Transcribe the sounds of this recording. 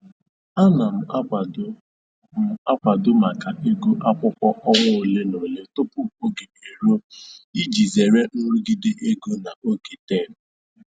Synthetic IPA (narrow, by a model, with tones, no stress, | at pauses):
a˦na˨m̩˨a˦a˨˦ | m̩˨a˦kʷa˨dʊ˦ma˨ka˨ʔe˦ɡo˦ʔa˦kʷʊ˦kʷɔ˦ʔɔ˦ŋʊ˦˨le˦no˨le˦tʊ˦pʊ˦˨o˦ɡe˨e˨ɾo˦i˦d͡ʒi˨ze˨ɾe˦n̩˦ɾʊ˦ɡi˦de˦ʔe˦ɡo˦na˨o˦ɡe˨te˦˨n̩˨˦